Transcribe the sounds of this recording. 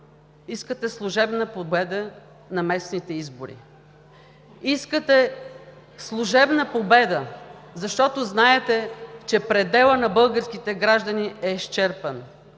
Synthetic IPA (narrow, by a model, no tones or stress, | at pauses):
iskət̪ɛslˠʊʒɛbnəpobɛd̪ə | nɐmɛsnit̪ɛizbʊɾḭ | iskət̪ɛ | slˠuʒɛbnəpobɛd̪əzɐʃt̪ɔt̪oznaɛt̪ɛt͡ʃɛpɾɛd̪ɛlˠənɐbɤlˠɡəɾsk̟it̪ɛɡɾaʒd̪əniɛʃt͡ʃɛɾpən